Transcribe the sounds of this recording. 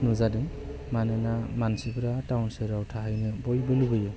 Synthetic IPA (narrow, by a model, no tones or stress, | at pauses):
nuzadɯ | manɯnamansibɯɾatawnsɯɾawtʰaɦajnɯbɔjbɯlubɯjɯ